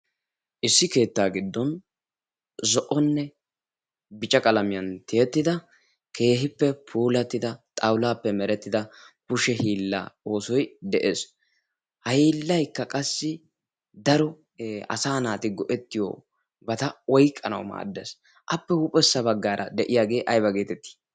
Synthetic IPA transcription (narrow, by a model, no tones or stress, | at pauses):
ʔɪsːɪke̞ːt̪ːaːɡɪd̪ːɔn | zɔʔɔnːɛ | bɪt͡ʃʼɐkʼɐlɐmɪjɐnt̪ɪjɛt̪ːɪd̪ɐ | kʰe̞ːɦɪpːɛpʰuːlɐt̪ːɪd̪ɐt̪ʼɐwlaːpːɛmɛɾɛt̪ːɪd̪ɐpʊʃɛhiːlːa̰ːo̞ːsɔjd̪ɛʔeːs | hɐhiːlːɐjkːɐkʼɐsːɪ | d̪ɐɾɔ | ɐ̰saːnaːt̪ɪɡɔʔɛt̪ːɪjo̰ː | bɐt̪ɐwɔjkʼːɐnɐ̰wma̰ːd̪ːɛs | ʔɐpːɛhʊpʼɛsːɐbɐɡːaːɾʔɐ̰d̪ɛʔɪjaːɡe̞ːʔɐjbɐɡeːt̪ɛt̪ːi̥